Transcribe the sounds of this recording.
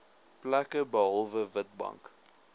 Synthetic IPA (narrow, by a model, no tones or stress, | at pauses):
plækəbəɦɐlˠvəvət̚bɐ̰ŋk